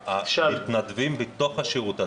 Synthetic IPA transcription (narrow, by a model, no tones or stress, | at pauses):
ait̪nad̪vimbit̪oχhaʃiʁut̪a